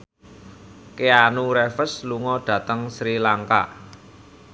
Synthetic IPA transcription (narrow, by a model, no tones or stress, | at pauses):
keanuɾefəsluŋɔɖ̥ä̤t̪əŋsɾilaŋka̰